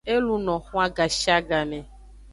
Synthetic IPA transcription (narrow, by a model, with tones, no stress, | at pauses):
e˦lu˦nɔ̃˨xũ˦a˦ɡa˨ʃi˦a˦ɡa˨mɛ̃˨